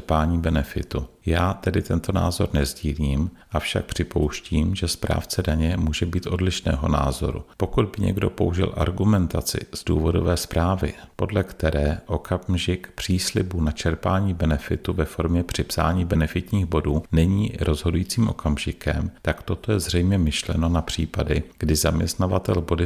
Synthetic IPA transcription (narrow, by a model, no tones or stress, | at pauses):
paːɲiːbɛnɛfɪ̰t̪ujaːt̪ɛdɪt̪ɛnt̪o̞na̰ːzo̞ɾnɛzɟiːliːmʔafʃa̰k̚pr̥ɪpo̞wʃciːmʒɛspɾa̰ːft͡sɛdaɲɛmuːʒɛbiːt̪ʔo̞dlɪʃnɛ̰ːɦo̞̰na̰ːzo̞̰ɾṵpo̞kud̪̚bɪɲɛ̰ɡdo̞̰po̞uʒɪ̰lʔa̰ɾɡumɛnt̪at͡sɪ̰z̥duːvo̞do̞̰vɛːspɾaːvɪ̰po̞dlɛkt̪ɛɾɛːʔo̞kʰamʒɪkpr̝̥iːslɪbunat͡ʃɛɾpaːɲiːbɛnɛfɪt̪uvɛfo̞ɾmɲɛpr̝̥ɪpsa̰ːɲiːbɛnɛfɪt̪ɲiːxbo̞duːnɛɲiːɾʔo̞zɦo̞dujiːt͡siːmʔo̞kamʒɪkɛ̰mt̪akt̪o̞t̪o̞jɛzrɛjmɲɛmɪʃlɛ̰no̞napr̝̥iːpadɪɡ̥dɪzamɲɛst̪navat̪ɛlbo̞dɪ